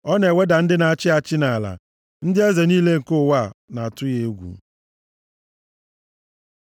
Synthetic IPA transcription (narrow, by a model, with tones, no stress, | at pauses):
ɔ˦ne˨we˦da˨n̩˦dɪ˦na˨a˨t͡ʃɪ˦a˨t͡ʃɪ˦na˨la̰˨ | n̩˦dɪ˦ɛ˦ze˨niː˦le˦ŋ̩˨ko˦˨wa˦˨na˨a˨tʊ˦je˦ɡʷṵ˨